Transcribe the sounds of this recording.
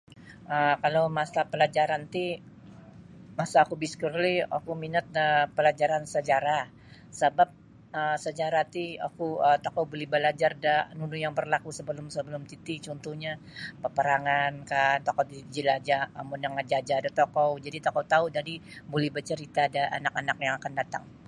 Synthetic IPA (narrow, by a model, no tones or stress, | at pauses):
ʔəkalowmasapəlad͡ʒaɾant̪i | masaːkubiskərlia̰kuminat̪̚əpəlad͡ʒaɾansəd͡ʒaɾah | səbap̚ | əsəd͡ʒaɾaht̪ia̰kuət̪okɔwbolɛhbəlad͡ʒardanunujaŋbərlakusəbəlʊmsəbəlʊmt̪it̪it͡ʃɔnt̪uhɲa | pəpəɾaŋankat̪okɔdid͡ʒilad͡ʒaamunjaŋad͡ʒad͡ʒaːdat̪okɔwd͡ʒadit̪okɔt̪audadibolɛhbət͡ʃəɾit̪adaa̰nakanak̚jaŋakandat̪a̰ŋ